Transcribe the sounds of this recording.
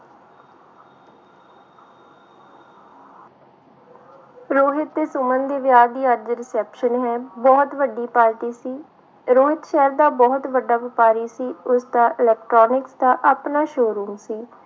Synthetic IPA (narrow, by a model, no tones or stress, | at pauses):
ɾoːɦɪt̪ːeːsʊmənd̪eːʋɪjaːɾd̪iːəɾd̪ɾɪsɛːpʃənɦɛːbɔːt̪ʋəɖiːpaːɾʈiːsiː | ɾoːɦɪt̪ʃɛːɾd̪aːbɔːt̪ʋəɖːaːʋɪpaːɾiːsiːʊsd̪aːʔɪlɛːk̚ʈɾɔːnɪksd̪aːʔaːpnaːʃoːɾuːmsiː